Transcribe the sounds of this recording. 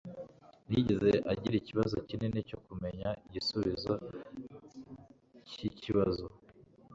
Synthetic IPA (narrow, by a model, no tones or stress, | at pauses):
niɟeze̞ʔaɟiɾiciβazo̞cineneco̞kume̞ɲaiɟisuβizo | ciciβazo